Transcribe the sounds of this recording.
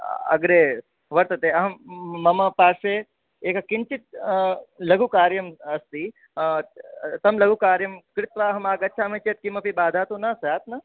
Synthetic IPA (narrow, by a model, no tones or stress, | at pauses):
ɐ̰ɡɾeː | ʋɐɾt̪ɐt̪eːɐɦɐmːɐmɐpaːʃe | eːkɐkɪnt͡ʃit̪̚ | lɐɡukaːɾjɐmɐst̪i | t̪ɐmlɐɡukaːɾjɐmkɾɪt̪ʋaːɐɦɐmaːɡɐtːʃʰaːmẽːt͡ʃeːt̪̚kimɐpibaːd̪ʱaːt̪oːnɐsjaːt̪nɐ